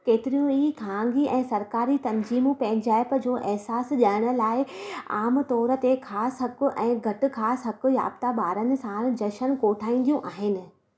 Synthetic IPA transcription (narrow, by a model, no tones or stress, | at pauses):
keːt̪ɪɾijũiːkʰãːŋɡiʔɛ̃ːsɐɾkaːɾit̪ɐnziːmũpɛ̃ːɪ̃ɲd͡ʑaːɪpə̆d͡ʑoːʔɛɦsaːsʄaɽ̃ʊ̆laːɪaːmt̪ɔːɾə̆t̪ekʰaːsɦɐkʊ̆ʔɛ̃ːɡʱɐʈɪ̆kʰaːsɦɐkʊ̆ja̰ːb̚t̪aɓaːɾənɪ̆sãːɽ̆d͡ʑɐʃənkoːʈʰaːĩːn̆d̪ijũʔaːɦɪnɪ̆